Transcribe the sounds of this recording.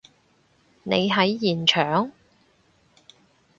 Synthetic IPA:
ne˨˧jɦɐ˨˥jjiː˨˩nt͡ʃʰœː˨˥ŋ

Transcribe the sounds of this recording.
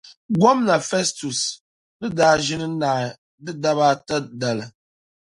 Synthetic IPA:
ɡwɔ˦mna˨fɛ˦stu˨s | nɨ˦daː˦ʒi˦nɨ˦na˨ | dɨ˦da˦ba˦tə˦da˨lə˨

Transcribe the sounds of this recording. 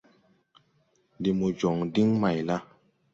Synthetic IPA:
di˨mu˨d͡ʒɔ˨ŋdi˦ŋma˨jla˦

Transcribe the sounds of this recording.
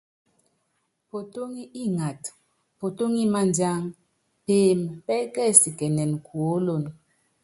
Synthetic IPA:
po˨to˦ŋi˦ʔi˦ŋa˨t | po˨to˦ŋi˦ma˦˨nd͡ʒa˦ŋ | peː˨˦˨mpɛ˦kɛ˦˨si˨kɛ˨nɛ˨nkwo˨˦lo˦˨n

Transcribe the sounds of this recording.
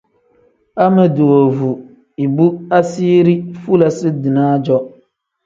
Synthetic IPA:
a˦mɨ˨du˨o˨vu˨ | i˨bu˦a˦siː˦ɾi˦fu˦la˨sɨ˦dɨ˨naː˦d͡ʒɔ˦

